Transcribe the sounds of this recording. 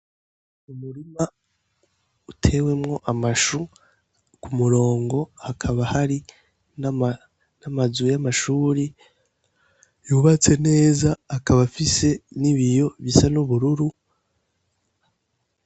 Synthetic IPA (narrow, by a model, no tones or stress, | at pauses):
umuɾima | utʰe̞we̞mŋo̞ʔamaʃu | kumuɾo̞ːŋɡo̞hakʰaβahaɾi | namazujamaʃuːɾi | juːβat͡se̞ne̞ːzaːkaβafise̞niβijo̞βisanuβuɾuɾu